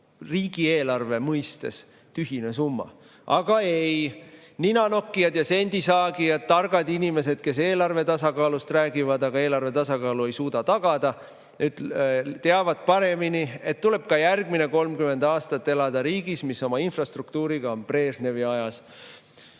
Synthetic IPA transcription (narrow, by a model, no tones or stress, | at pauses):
riːɡ̥ieːlɑrve̞mɤjst̪es | t̪yɦine̞sumːɑ̰ | ɑɡ̥ɑej | ninɑno̞kːiɑd̪̥jɑse̞nʲd̪̥isɑːɡijɑd̪̥̚t̪ːɑrɡ̥ɑd̪inime̞se̞d̪̥̚ke̞s̬e̞ːlɑrve̞t̪ɑsɑkɑːlust̪ræːɡivɑd̪ɑɡ̥ɑe̞ːlɑrve̞t̪ɑsɑkɑːlue̞jsuːd̪ɑt̪ɑɡ̥ɑd̪̥ɑ | yd̪t̪eɑvɑd̪̥̚pɑɾe̞minie̞t̪tːule̞b̥̚kɑjærɡ̥mine̞ko̞lmkyme̞nd̪ɑːst̪ɑt̪ːe̞lɑd̪̥ɑɾiːɡismisːo̞mɑinfrɑst̪rukt̪uːɾiɡ̥ɑo̞npre̞ːsne̞viɑjɑs